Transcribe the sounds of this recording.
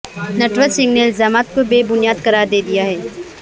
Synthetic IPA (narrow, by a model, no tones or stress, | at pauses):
nɐʈʋəɾsɪ̃ŋɡneɪlzaːmaːt̪̚kobeːbʊnijaːd̪kɐɾaːɾd̪eːd̪ijaɦɛː